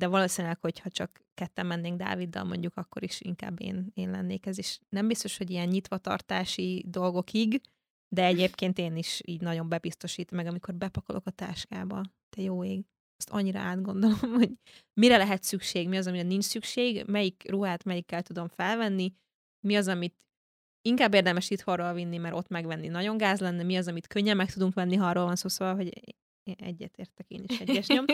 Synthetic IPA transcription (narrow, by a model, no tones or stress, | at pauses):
d̪ɛvɒloːsinelɛkho̞chɒt͡ʃɒk | kɛt̪ːɛmːɛnːeːŋɡd̪a̰ːvid̪ːɒ̰lmo̞̰ɲɟukɒkːo̞̰ɾiʃḭŋka̰ːbːḛːneːnlɛ̰nːeːkɛzeːʃnɛmbist̪o̞ʃho̞ɟijɛnɲit̪ʋɒt̪ɒ̰rt̪aːʃid̪o̞lɡo̞kiɡ | d̪ɛɛɟeːpkeːnt̪eːniʃḭːɟnɒɟo̞mbɛbist̪o̞ʃiːt̪mɛɡɒmiko̞rbɛpɒkolʔo̞kɒt̪a̰ːʃkaːbɒ | t̪ɛjoːeːɡ | ɛst̪ɒ̰ɲːiɾɒ̰aːd̪ɡo̞n̪d̪o̞lomho̞ɟmiɾɛlɛɦɛt̪sykʃeːɡmiɒzɒmiɾɛnint͡ʃsykʃeːɡmɛjikruɦaːt̪mɛjikːɛlt̪ud̪o̞ɱfɛlvɛnːi | miɒzɒmit̪ | iŋkaːbːeːrd̪ɛmɛʃit̪horolvinːimɛɾʔo̞t̪mɛɡvɛnːinɒɟo̞ŋɡaːzlɛnːɛmiɒzɒmit̪køɲːɛmːɛk̚t̪ud̪uŋkʋɛnːiɦːrːoːlvɒnsoːsovɒlɦo̞ɟ | ɛ̰ɟːɛ̰t̪ḛːrt̪ɛkḛːniʃɛɟːɛʃom